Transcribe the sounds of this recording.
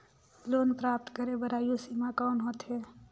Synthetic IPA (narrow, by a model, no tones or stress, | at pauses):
loːnpɾaːp̚t̪kəɾebəɾaːjosimakaːnɦot̪ɦe